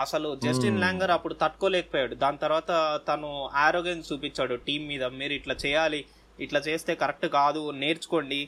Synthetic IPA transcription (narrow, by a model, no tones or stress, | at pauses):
ɐsɐlud͡ʒesʈinlaːŋɡɐɾɐpːuɽut̪ɐʈːkoːlɛːkɐ̥poːjaːɽud̪aːnɐt̪ɐɾuʋaːt̪ɐt̪ɐnuaːɾoːɡenst͡ʃuːpiɲt͡ʃːaːɽuʈiːmːiːd̪ɐmiːɾuiʈlaːt͡ʃɛːjaːliː | ʈlaːt͡ʃe̞ːst̪e̞ːkɐɾek̚ʈukaːd̪une̞ːɾt͡ʃu̥ko̞ɳɖi